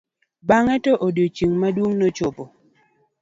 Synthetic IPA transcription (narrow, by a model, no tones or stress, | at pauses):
baŋɛtɔʔodjot͡ʃiŋmadwoŋnɔt͡ʃopɔ